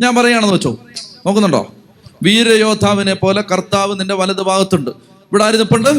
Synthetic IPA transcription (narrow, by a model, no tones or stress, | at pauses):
ɲaːnpɐrɐjujaːɳenːuʋɐt͡ɕːoːunoːkːnːuɳɖo̞̰ː | ʋiːɾɐjo̞ːd̪ʱaːʋine̞po̞ːle̞kɐrt̪aːʋɨninde̞ʋɐlɐðɨbʱaːɣɐt̪ːuɳɖɨ | iʋiɽaːiɾinːipːoɳɖɨ